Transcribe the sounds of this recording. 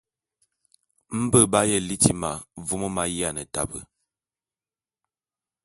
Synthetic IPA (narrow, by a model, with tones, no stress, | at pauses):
m̩˦bə˦˨ba˦jə˦˨li˦ti˦ma˨vu˦mə˦ma˦ji˦a˨nə˨ta̰˨bə˨